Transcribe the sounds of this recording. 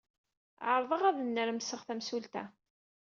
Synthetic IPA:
ʕəɾˤðˤəʁæðənːəɾmsəʁθæmsult̪æ̰

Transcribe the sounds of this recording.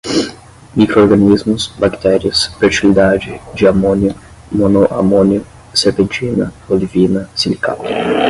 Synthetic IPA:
mikɾooɾɡɐnizmʊsbakt̪ɛɾiɐsfeɾt͡ʃilid̪ad͡ʒɪd͡ʒɪamõnjʊ | mõnoʔa̰mõnjʊ | seɾpẽnt͡ʃinɐ̰bolivinɐsĩnika̰t̪ʊ̥

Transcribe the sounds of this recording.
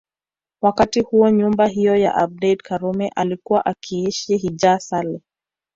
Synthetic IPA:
wakatihuɔɲumbaɦijɔja̰ʔab̚dɛdkaɾumɛʔalikuwaʔakʰiiʃiɦid͡ʒasalɛ

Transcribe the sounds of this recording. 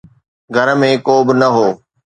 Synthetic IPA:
ɡʱɐɾmẽkoːbɪnɐɦoː

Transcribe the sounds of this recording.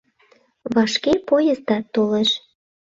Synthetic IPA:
βɑʃkepojəzd̪ɑt̪oleʃ

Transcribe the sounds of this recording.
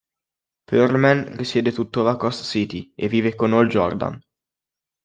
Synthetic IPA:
pøɾmɛnrisjɛːd̪et̪ut̪ːovakɔst̪sit̪ievːiːvekonold͡ʒɔ̰rd̪a̰n

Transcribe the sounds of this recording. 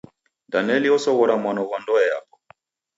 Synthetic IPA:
danɛliɔsɔɣɔɾamwanɔɣwandɔɛja̰pɔ̥

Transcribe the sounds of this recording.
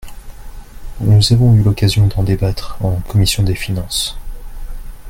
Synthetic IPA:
nuzavɔ̃ylɔkazjɔ̃d̪ɑ̃d̪ebat̪χɑ̃kɔmisjɔ̃d̪efinɑ̃s

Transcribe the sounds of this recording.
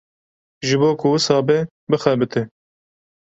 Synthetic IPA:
ʒɨboːkʰʊɨsɑːbɛ | bɨxɛbɨt̪ʰɪ

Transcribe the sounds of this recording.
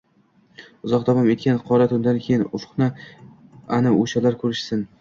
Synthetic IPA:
ʊzɒqd̪ɒvɒme̞t̪̚kʲanqʰɒɾat̪ʰʊnd̪ankʲʰejɪnʊfqnɪ | anɪoʃalaɾkʰɵɾɪʃsɪn

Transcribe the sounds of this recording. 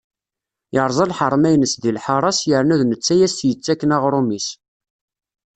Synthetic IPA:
jəɾˤzˤɑlħəɾˤmæjnəsðilħɑɾˤɑsjəɾnuðnət͡sːæjæstjət͡sːækːənaʁɾˤumis

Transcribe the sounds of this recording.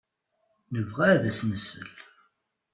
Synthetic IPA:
nəvʁææðæsnəsə̰l

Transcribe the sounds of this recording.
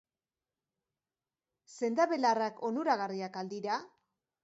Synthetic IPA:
se̞nd̪aβe̞larako̞nuɾaɣariakald̪iɾa

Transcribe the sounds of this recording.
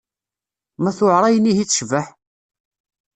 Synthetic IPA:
mæθʊʕɾˤɑjənihit͡sːʃvəħ

